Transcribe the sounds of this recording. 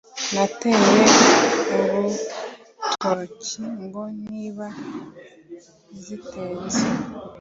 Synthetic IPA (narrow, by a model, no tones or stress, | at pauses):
nateɾeoβu | tʰocʰiŋɡoniβa | zitʰeːnze